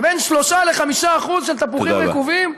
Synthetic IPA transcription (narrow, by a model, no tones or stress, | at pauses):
benʃlo̞ʃaleχamiʃaːχuzʃelt̪apuχimʁekuvim